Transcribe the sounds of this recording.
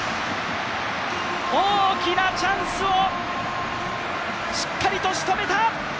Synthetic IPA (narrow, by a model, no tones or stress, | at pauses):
oːkʲinat͡ɕãñsɨo | ɕi̥kːaɾʲit̪o̞ɕi̥t̪o̞me̞t̪a